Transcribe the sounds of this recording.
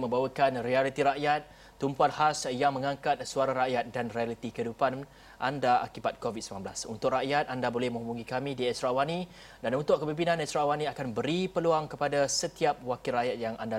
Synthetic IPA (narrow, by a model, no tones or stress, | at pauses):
mə̃mbawəkanrialit̪iɾaʔjat̪̚ː | umpuanhasjaŋmə̃ŋãŋkat̪̚suaɾaɾaʔjat̪̚danrialit̪ikəidupan | ʔandaa̰kibat̪̚kovit̪̚səmlanbla̰sunt̪ʊk̚raʔjat̪̚andabolɛhmə̃ŋubuŋikamĩdiɛst̪ɾawani | danunt̪ʊʔ̚kəbimpinãnɛst̪ɾawaniakanbəɾipəluaŋkəpadasət̪iap̚wakilɾajat̪̚jaŋanda